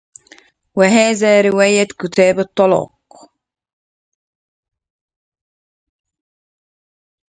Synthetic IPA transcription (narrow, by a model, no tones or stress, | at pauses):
waɦaːðaːɾɪwaːjakʊt̪aːbɨt̪ˤːɑlɑ̰ːq